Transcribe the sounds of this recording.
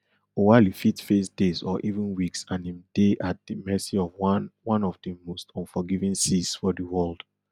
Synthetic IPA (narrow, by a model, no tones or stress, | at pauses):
owalifitfesdezɔʔivũnwiksãnĩmd̥eʔat̚dimɛsiɔvwɔ̃nɔvdimostʰɔ̃nfɔɡivĩnsisfɔdiwɜld̥